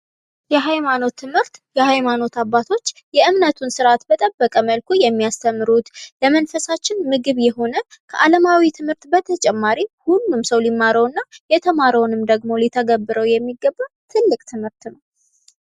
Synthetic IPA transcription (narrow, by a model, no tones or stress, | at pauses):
jɛɦajmano̞t̪ʰːɨmhɨɾt̪jɛhajmano̞t̪abːat̪ʰo̞t͡ʃːjɛʔɨmnət̪ʰunsɨɾat̪bət̪ʼəbːəkʼəməlkʰujɛmːijast̪ʰəmːɨɾut̪ləmənfəsat͡ʃːɪnmɨɡɨβjɛɦo̞nəkʰəʔaləmawit̪ʰɨmhɨɾt̪bət̪ʰət͡ʃʼɛmːaɾihulːumsəwlimːaɾəwɨnːajɛt̪ʰəmaɾəwnɨmd̪əɡmo̞lit̪ʰəɡəbːɨɾəwjɛmːiɡːəbːat̪ʰɨlːɨkʼt̪ʰɨmhɨɾt̪nəww